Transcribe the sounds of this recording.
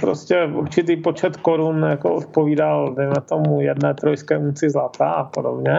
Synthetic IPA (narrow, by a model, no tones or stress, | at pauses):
pɾoscɛuɾt͡ʃɪt̪̬iːpot͡ʃɛt̪koɾunjakoʔot̪̚poviːdalvɪmɛt̪omujɛdnɛːt̪ɾojskɛːunt͡sɪzlat̪aːapodobɲɛ